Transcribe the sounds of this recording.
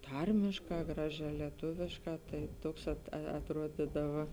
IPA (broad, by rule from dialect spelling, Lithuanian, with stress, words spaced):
ˈtɐrʲmʲeːʃˌkɑː ˈɡrɑːˌʒʲæː lʲɛˈtʊʋʲɪʃˌkɑː tɐɪ ˈtuɔks ɐt ɐtˈruɔdʲɪdɐʋɐ